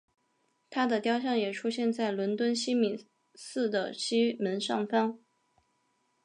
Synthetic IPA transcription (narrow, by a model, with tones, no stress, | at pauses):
t̪ʰa˥d̪ə˨t̪jɑ˥ʊɕjɑ˥˩ŋjɛ˨˩ʈ͡ʂʰu˥ɕjɛ˥˧nt͡sa˥˩ɪlwə˧˥nt̪wə˥nɕi˥mi˨˩n | sɹ̩˥˩d̪ə˩ɕi˥mə˧˥nʂɑ˥˩ŋfɑ˥ŋ